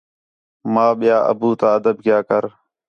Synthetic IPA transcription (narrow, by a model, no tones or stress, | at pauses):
mãːɓɪjaːʔə̰buːt̪ãːəd̪əb̚ɡjaːkəɾ